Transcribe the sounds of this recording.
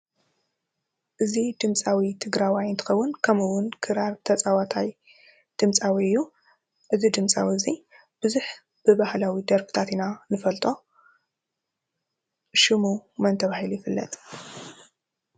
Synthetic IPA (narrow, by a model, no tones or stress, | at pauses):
ʔɨzid̪ɨmt͡sʼawit̪ʰɨɡɾawajɨnt̪ʰɨ̥xɐwːʊnkʰɐmɨwʊnkʰɨɾaɾt̪ʰɐt͡sʼawat̪ʰaj | d̪̥ɨmt͡sʼawiɨjːu | ʔɨzid̪ɨmt͡sʼa̰wiɨzi | b̥ɨzuħ | b̥ɨbahlawid̪ɐɾfɨ̥t̪ʰat̪inanɨfɐlt̪ʼo̞ | ʃɨmumɐnt̪ʰɐβahiljɪfɨlːɐ̰t̪ʼ